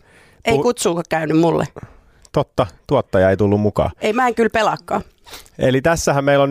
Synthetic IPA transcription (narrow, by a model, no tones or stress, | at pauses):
ʔeikut̪suːkɑkkæynymmulːḛ | t̪ot̪ːɑt̪uot̪ːɑjɑeit̪ulːummukɑ̰ːeimæŋkylpelɑkːɑː | elit̪æsːæhæmmeilːon